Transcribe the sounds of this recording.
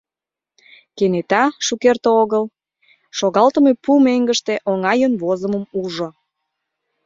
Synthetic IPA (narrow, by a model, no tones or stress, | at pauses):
kenet̪ɑʃukert̪ooɣəl | ʃoɣɑlt̪ə̆mepumeŋɡəʃt̪eʔoŋɑjənβozəmə̆muʒo